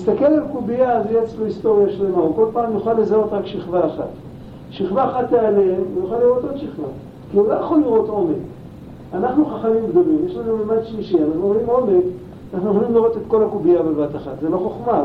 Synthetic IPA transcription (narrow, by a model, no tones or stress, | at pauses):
ist̪akelalkubiazejeat͡slohist̪o̞ʁijaʃle̞mauko̞lpaːmjuχalːezao̞t̪ʁakʃiχvaːχa̰t̪ | ʃiχvaːχat̪ːealemujuχaliʁo̞t̪od̪ʃiχva | kiulojaχo̞liʁo̞t̪o̞mek | anaχnuχaχamimɡd̪o̞limjeʃlanumemad̪ʃliʃianaχnumimo̞me̞k | anaχnunolimliʁo̞t̪et̪ko̞lakubiabevat̪aχat̪zeloχo̞χma